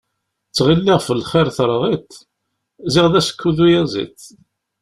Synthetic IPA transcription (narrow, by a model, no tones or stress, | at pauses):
t͡sːʁilːiʁfəlχɪɾθɾˤðˤit̪ | zɪʁðæsə̥kːuðujæzḭt͡sː